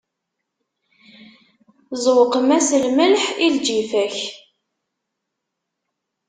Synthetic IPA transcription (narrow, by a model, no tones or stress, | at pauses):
zˤwqəmæsəlməlħild͡ʒifæç